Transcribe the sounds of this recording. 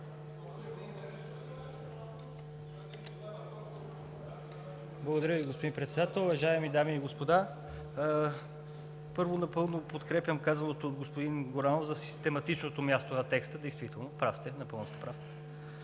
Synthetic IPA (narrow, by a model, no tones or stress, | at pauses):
blˠəɡod̪ɐɾjəviɡospod̪impɾɛt̪sɛd̪at̪ɛlˠʊvɐʒaɛmid̪amiːɡospod̪a | pɤɾvonɐpɤlˠnopot̪kɾɛpjəmkazɐnot̪oːd̪ɡospod̪inɡoɾanofzɐsi̥st̪ɛmɐt̪it͡ʃnot̪omʲjast̪onɐt̪ɛkst̪əd̪ɛjst̪vit̪ɛlˠnopɾafst̪ɛnɐpɤlˠnost̪ɛ̥pɾaf